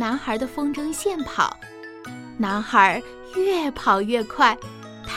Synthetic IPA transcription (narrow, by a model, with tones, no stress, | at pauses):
na˧˥nxə˧˥d̪ə˧fɤ˥ŋʈ͡ʂɤ˥ŋɕjɛ˥˩npʰɑ̰˨˩˦ʊ | na˧˥nxə˞˧˥ | ɥɛ˥˩pʰɑ˨˩ʊɥɛ˥˧kʰwa˥˩ɪ | t̪ʰ